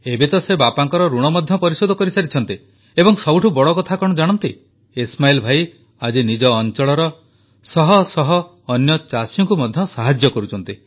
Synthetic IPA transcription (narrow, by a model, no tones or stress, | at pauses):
ebet̪ɔsebapaŋkɔɾɔɾuɽ̃ɔmɔd̪ʱjɔpɔɾisod̪ʱɔkɔɾisaɾit͡ʃʰɔn̪t̪i | ebɔŋsɔbuʈʰubɔɽɔkɔt̪ʰakɔɽ̃ɔd͡ʒaɽ̃ɔnt̪i | esmailɔbʱai | ad͡ʒinid͡ʒɔːnt͡ʃɔɭɔɾɔ | sɔɦɔsɔɦɔː | njɔt͡ʃasjɔŋkumɔd̪ʱjɔsaɦad͡ʒjɔkɔɾut͡ʃʰɔn̪t̪i